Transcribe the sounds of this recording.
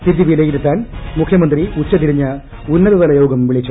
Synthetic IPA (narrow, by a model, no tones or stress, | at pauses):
t̪id̪jɐʋijlekːiɾit̪ːaːnmukʰjɐmɐnd̪riut͡ɕːɐt̪iɾiɲːɐ | unːɐðɐðɐlɐjo̞ːɡɐmʋiɭit͡ɕːu